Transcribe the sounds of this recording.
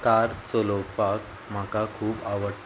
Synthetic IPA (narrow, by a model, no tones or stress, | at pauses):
kaɾt͡solopak | m̤akakʰuːpaʋəʈ